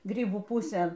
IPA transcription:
ˈɡrʲiːbuː ˈpʊsʲeːn

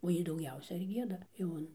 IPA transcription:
oː ˈjiː dɐʊˈɡʲɛʊsʲɛ ɪr ˈɡʲiɛdɐ jɛʊ ˈɐn

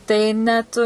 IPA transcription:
tɐɪ ˈnʲɛt

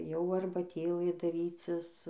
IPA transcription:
jɛʊ ɐrbɐˈtʲeːlˠɘ dɐˈrʲiːt͡sʲɪs

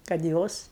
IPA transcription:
kɐt ˈjoːs

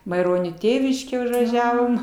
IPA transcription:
mɐɪˈroːnʲoː ˈtʲeːʋʲɪʃʲkʲeː ʊʒʋɐˈʒʲæːʋoːm

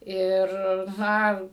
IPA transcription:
ˈɪr ˈnɐ

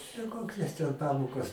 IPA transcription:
tʲɛn ˈkoːkʲɛs tʲɛn ˈpɑːmoːkɐs

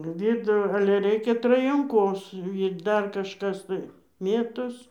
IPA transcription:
ˈʋʲɪdʊ ɐlʲɛ ˈrʲɛɪkʲɛ trɐjɛŋˈkoːs ɪr ˈdɐr kɐʃˈkɐs tɐɪ ˈmʲeːtoːs

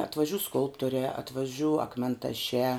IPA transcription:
ɐtʋɐˈʒʲuː ˈskʊlˠptoːrʲæː ɐtʋɐˈʒʲuː ɐkmʲɛntɐˈʃʲæː

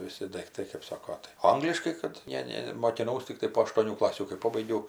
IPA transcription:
ʋʲɪˈsʲɪ dɐɪkˈtɐɪ kɜp ˈsɑːkoː tɐɪ ˈɐŋɡlʲɪʃkɐɪ ˈkɐt ˈnʲɛ ˈnʲɛ moːkʲɪˈnɐʊs tʲɪkˈtɐɪ poː ɐʃtuɔˈnʲuː ˈklˠɑːsʲuː kɐɪ ˈpoːbɐɪɡʲɛʊ

